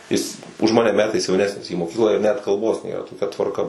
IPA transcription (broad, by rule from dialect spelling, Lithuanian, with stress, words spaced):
ˈjɪs ʊʃ ˈmɑːnʲɛ ˈmʲæːtɐɪs jɛʊˈnʲæːsʲnʲɪs iː moːˈkʲiːklˠɑː ɪr nʲɛt kɐlˠˈboːs ˈnʲeːrɐ toːˈkʲɛ tʋɐrˈkɐ